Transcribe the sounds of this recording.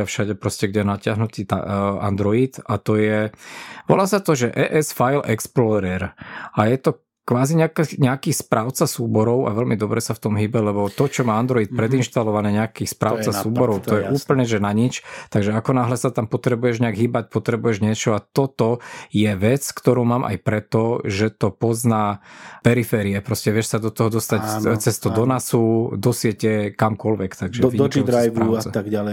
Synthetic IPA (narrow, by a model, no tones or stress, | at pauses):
afʃaɟɛpɾɔscɛɡɟɛnacɪaɦnut̪iːt̪a̰a̰nd̪ɾɔit̪at̪ɔjɛʋɔ̰laːsat̪ɔʒɛʔɛ̰ːʔɛsfajlɛ̰ksplɔɾɛɾajɛt̪ɔ | kʋaːziɲɛakɲɛakiːspɾaːʊt͡sasuːbɔɾɔʊʔa̰ʋɛlmid̪ɔbɾɛsaft̪ɔmɦiːbɛlɛbɔt̪ɔt͡ʃɔmaːand̪ɾɔiːt̪̚pɾɛd̪inʃt̪alɔʋanɛːɲɛakiːxspɾa̰ːʊt͡sasuːbɔɾɔʊt̪ɔjɛʔuːpl̩ɲɛʒɛnaɲit͡ʃt̪aɡʒɛakɔnaːɦlɛsat̪ampɔt̪ɾɛbujɛʒɲɛaɡɦiːbac̚pɔt̪ɾɛbujɛʒɲɪɛt͡ʃɔat̪ɔt̪ɔjɛʋɛt͡skt̪ɔɾuːmaːmʔa̰jpɾɛt̪ɔʒɛt̪ɔpɔznaːpɛɾifɛːɾiɛpɾɔscɛʋɪɛʃsad̪ɔt̪ɔɦɔd̪ɔst̪act͡sɛst̪ɔd̪ɔnasud̪ɔsɪɛcɛkamkɔlʋɛkt̪aɡʒɛiiɾajʋauʊt͡sɛaɡal